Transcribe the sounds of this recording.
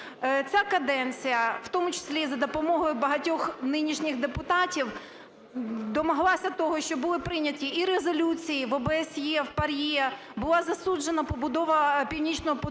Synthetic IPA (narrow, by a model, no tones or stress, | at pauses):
t͡sʲakɐd̪ɛnt͡sʲijɐwt̪ɔmʊt͡ʃɪ̥sʲlʲizɐd̪ɔpɔmɔɦɔjʊbɐɦɐtʲɔxnɪnʲiʃnʲɪxd̪epʊt̪ɑtʲiw | d̪ɔmɔɦlˠɑsʲɐt̪ɔɦɔʃt͡ʃɔbʊlˠɪpɾɪnʲɐtʲiiɾezɔlʲut͡sʲijiʋɔbeɛsjɛwpɐɾʲje | bʊlˠɑzɐsud͡ʒenɐpɔbʊd̪ɔʋɐpʲiwnʲit͡ʃnɔɦɔpɔ